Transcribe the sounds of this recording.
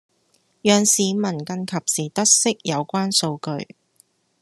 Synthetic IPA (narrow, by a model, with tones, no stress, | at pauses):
jœː˨˩ŋsiː˨˧mɐ˨˩nkɐ˧nkʰɐ˨p̚siː˨˩t̪ɐ˥t̚sɪ˥k̚jɐ˨˧wkʷaː˥nso˧wkɵ˧ɥ